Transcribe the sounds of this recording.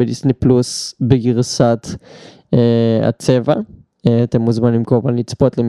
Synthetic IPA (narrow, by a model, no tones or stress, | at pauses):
elisniplusbeɡiʁsat̪ | ea̰t͡seva | eat̪emːuzmanlimkoavalnit͡spot̪lem